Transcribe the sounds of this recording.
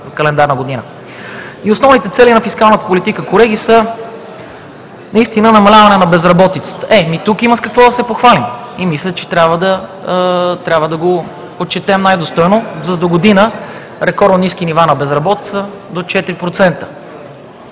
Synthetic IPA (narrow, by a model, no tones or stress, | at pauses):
kɐlɛnd̪aɾnəɡod̪inə | iosnɔvnit̪ɛt̪sɛlinɐfiskalˠnət̪ə̥polit̪ikəkolɛɡ̟isə | nɐist̪inənɐmɐlʲavɐnɛnɐbɛzɾɐbɔt̪it̪sə̥t̪ə̥ʔɛmit̪ukiməskɐkvɔd̪ɐsɛpoxvalim | imislʲət̪t͡ʃɛ̥t̪ɾʲabvəd̪ɐ | t̪ɾʲabvəd̪ɐɡo | ot̪̚t͡ʃɛt̪ɛmnajd̪ost̪ɔjnozɐd̪oɡod̪inə | ɾɛkɔɾnoniskinivanɐbɛzɾɐbɔt̪it̪sə | d̪ot͡ʃɛt̪ɾipɾot̪sɛnt̪ə̥